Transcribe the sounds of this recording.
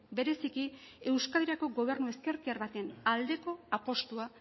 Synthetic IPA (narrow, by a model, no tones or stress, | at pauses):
be̞ɾe̞sikie̞wskaleɾako̞ɡo̞β̞e̞ɾnue̞ske̞ɾkiaɾβat̪e̞nald̪e̞ko̞apo̞st̪ua